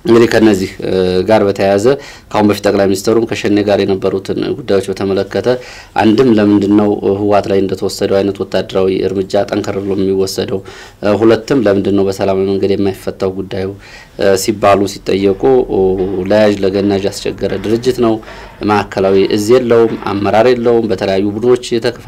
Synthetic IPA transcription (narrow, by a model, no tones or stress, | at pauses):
ɨŋɡɨd̪ihkʰənːəzːihɡaɾbət̪ʰəjazə | kʰahunbəfi̥t̪ʼːəkʼlajminist̪ʰəɾumkʰəʃɛnːeɡaɾjɛnəbːəɾut̪ʰɨnɡud̪ːajwo̞t͡ʃːbət̪ʰəmələkːət̪ʰə | ʔa̰nd̪ɨmləmɨnd̪ɨnːəwhɨwat̪lajɨnd̪ət̪ʰəwɔsːəd̪əwajnət̪wɔt̪ʰːad̪ːəɾawiʔɨ̰ɾmɨd͡ʒat̪ʼəŋkʰəɾəɾlomjɛmːiwɔsːəd̪əw | ɦulət̪ːɨmləmɨnd̪ɨnːəwbəsəlamaiməŋɡəd̪jɛmːajfːət̪ʼːawɡud̪ːaju | sibːalusit̪ʼːə̰jːɛkʼu | ləjaʒləɡənːaʒjast͡ʃʰɛ̰ɡːəɾəd̪ɨɾɨd͡ʒːɪt̪nəw | məakʰːəlawiʔɨzijɛlːəhumʔa̰mːəɾaɾjɛlːəhumbət̪ʰələjajːubɨd̪ɨno̞t͡ʃːjɛt̪ʰəkʰəf